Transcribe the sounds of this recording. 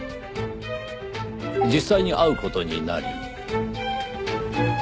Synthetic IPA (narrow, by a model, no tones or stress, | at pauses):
d͡ʑisːaiɲiʔaɯ̟ko̞t̪o̞ɲina̰ɾʲḭ